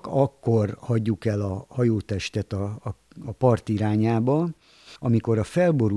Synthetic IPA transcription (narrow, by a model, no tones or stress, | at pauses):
kɒkːo̞rhɒɟːukɛlɒhɒjoːt̪ɛʃt̪ɛt̪ɒː | pɒrt̪iɾaːɲaːbɒ | ɒmiko̞ɾɒfɛlbo̞ɾu